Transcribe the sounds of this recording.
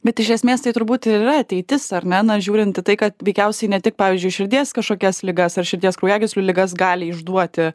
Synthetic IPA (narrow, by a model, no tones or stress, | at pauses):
bʲɛt̪ɪʃʲɛsʲmʲeːst̪ɐɪt̪ʊɾbuːt̪ɪɪrɐɐtʲɛɪt̪ʲɪsɐɾʲnʲɛnɐʒʲuːɾʲɪnt̪ɪt̪ɐɪkɐt̪ʋʲɛɪkʲɛʊsʲɛɪnʲɛt̪ʲɪk̚pɑːʋʲiːzʲd͡ʒʲʊɪʃʲɪɾʲd̪ʲeːskɐʃkoːkʲɛslʲɪɡɐsɐrʃʲɪɾʲd̪ʲiːskɾɐʊjæːɡʲɪsʲlʲʊlʲɪɡɐsɡɑːlʲɪɪʒd̪uɔt̪ʲɪ